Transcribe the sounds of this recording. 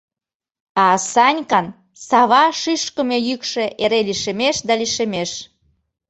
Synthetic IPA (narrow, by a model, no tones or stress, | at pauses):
ɑsɑnʲkɑn | sɑβɑʃiʃkə̆mejykʃeʔeɾeliʃemeʃd̪ɑliʃemeʃ